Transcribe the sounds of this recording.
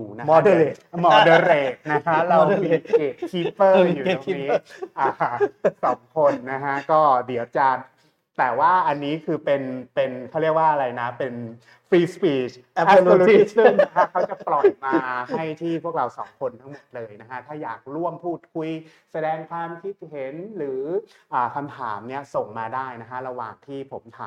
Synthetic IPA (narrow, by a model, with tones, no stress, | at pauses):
uː˨˩na˦˥mː˧e˨˩mɔː˧də˧ɾeː˨˩k̚na˦˥kʰa˦˥ɾa˧wmi˨˩˧e˨˩kʰiː˦˥pːɤː˥˩juː˨˩˨iː˦˥ʔaː˨˩sɔː˩˦ŋkʰo˧nːa˦˥kʰa˦˥kɔː˥˩di˨˩˦əwt͡ɕaː˧n | t̪ɛː˨˩waː˥˩ʔa˧nːiː˦˥kʰɯː˧pe˧npe˧nkʰa˥˩wɾi˥˩əkwaː˥˩ʔa˧ɾa˧jna˦˥pe˧n | fɾiː˧spiː˦˩t͡ɕ | ɯ˥˩ŋna˦˥kʰa˦˥kʰa˦˥t͡ɕa˨˩plɔ˨˩jmaː˧˩˧ɦa˥˩jt̪ʰiː˥˩pʰu˥˩ək̚ɾa˧wsɔ̰ː˩˦ŋkʰo˧nt̪ʰa˦˥ŋmo˨˩t̪̚lɤː˧jna˦˥kʰa˦˥t̪ʰaː˥˩ja̰ː˨˩k̚ɾu˥˩əmpʰuː˥˩t̪̚kʰu˧j | sa˧dɛː˧ŋkʰwaː˧mkʰi˦˥t̪̚he˩˦nɾɯː˩˦ʔaː˨˩kʰa˧mt̪ʰaː˩˦mni˥˩ɐso˨˩ŋmaː˧daː˥˩jna˦˥kʰa˦˥ɾa˧wa̰ː˨˩ŋt̪ʰiː˥˩pʰo˩˦mt̪ʰaː˨